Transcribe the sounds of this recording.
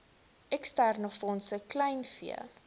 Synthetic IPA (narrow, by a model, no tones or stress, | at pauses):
ɛkstærnəfɔnsəklɛjnfḭə̰